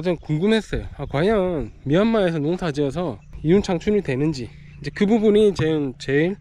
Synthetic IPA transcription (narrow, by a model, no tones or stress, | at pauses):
ad͡ʑʌnkuŋɡɯmɦe̞s͈ʌjoakwaɲjʌnmiɦanmaesʰʌnousʰad͡ʑiʌs̬ʰʌijunt͡ɕʰaŋt͡ɕʰuɾitwe̞nɯnd͡ʑi | ind͡ʑe̞kɯbubunit͡ɕeɯnt͡ɕe̞iɭ